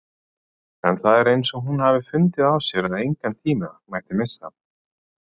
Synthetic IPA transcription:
ɛnθaðɛɾejnsɔɦunhavɪfʏnt̪ɪðawsjɛɾaðejŋkant̪ʰiːmamaːjht̪ɪmɪsːa̰

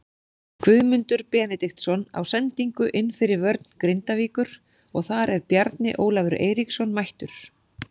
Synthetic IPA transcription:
kʰvʏðmʏnt̪ʏɾ̥pɛːnɪt̪ixt̪sɔna̰wsɛnt̪iŋkʏʔɪnːfɪɾɪɾvœɾt̪̚nkɾɪnt̪aviːkʏɾ̥ | ɔɣθaɾɛɾpjaɾt̪nɪ̰ʔoːwlavʏɾḛːjɾiksɔnːmajht̪ʏɾ̥

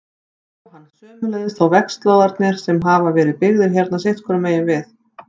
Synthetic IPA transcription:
whanːsœːmʏlɛjðɪθawvɛkst̪lawðaɾt̪nɪɾ̥sɛmɦaːvavɛːɾɪðpɪɣðɪɾ̥çjɛɾt̪nasejht̪kʰɔɾʏmeːjɪnvɪθ

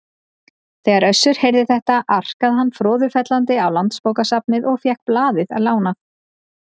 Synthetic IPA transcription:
θɛːɣaɾœɥsːʏɾ̥hejɾðɪθɛht̪aʔar̥kaðɦanːfɾɔːðʏfɛt̪lant̪ɪawlant̪spowkasapnɪðɔɣfjɛhk̚plaːðɪða̰ðlaːwnaθ

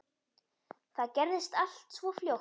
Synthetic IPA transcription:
θaðcɛɾðɪst̪al̥t̪svɔfljow

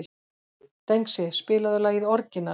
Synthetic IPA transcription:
t̪ejŋksɪspɪːlaðʏlaːɣiðɔɾcɪnːa

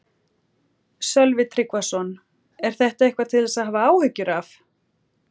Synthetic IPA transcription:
sœlvɪt̪ʰɾikvasɔn | ɛɾ̥θɛht̪aehkvat̪ʰɪlɛsaðɦaːvaaːwhʏcːʏɾaf

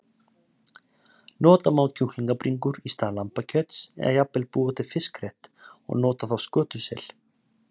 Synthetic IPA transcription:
nɔːt̪amawlcʰuhliŋkapɾiŋkʏɾist̪aːlampacʰœt̪sɛ̰ðajapɛlpuːɔt̪ɪ̥fɪskrejht̪ɔ̰ɣnɔːt̪aθawskœːt̪ʏsɛ̰l

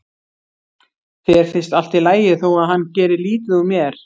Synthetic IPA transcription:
θɛɛɾ̥fɪn̥st̪al̥t̪ɪlaːjɪθowaðɦanːcɛːɾɪliːt̪ɪumjɛɾ̥

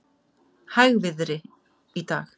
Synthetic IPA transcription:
hajɣvɪðɾɪ | it̪a̰ːx

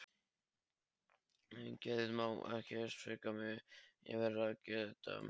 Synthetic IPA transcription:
ɛncɛðɪðmawɛ̰hcɛsfekamɪjɛ̰vɛɾaðcɛðɪt̪a̰

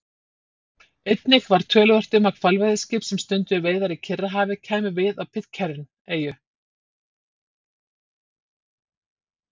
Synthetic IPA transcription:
ejt̪nɪxvaɾ̥t̪ʰœːlʏðœr̥t̪ɪmakʰvalvajðɪscɪːpsɛmst̪ʏnt̪ʏveːjðaɾicʰɪrːaɦaːvɪcʰaːjmɪvɪðawpʰɪt̪cʰɛɾɪn | eːjʏ

